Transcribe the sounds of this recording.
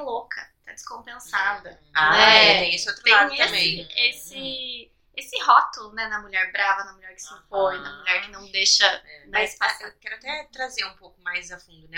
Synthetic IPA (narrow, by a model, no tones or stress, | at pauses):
lokʰɐt̪ad͡ʒɪ̥skõpẽsad̪ɐ | aɛt̪ẽj̃esɪot̪ɾʊẽãiɐsĩesɪ | esɪhɔt̪ʊlʊnɛnɐmuʎɛɾbɾavɐnɐmulʎɛɾkɪ̥sɪfojnɐmuʎɛɾkɪnɐ̃w̃d̪eʃɐɛnaispasewkɛɾʊat̪ɛt̪ɾazeɾũpowkʊmajzɐfũd̪ʊnɛ